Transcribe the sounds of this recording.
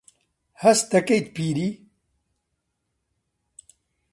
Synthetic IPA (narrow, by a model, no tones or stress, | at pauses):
hɐst̪ɐkejt̪̚piːɾi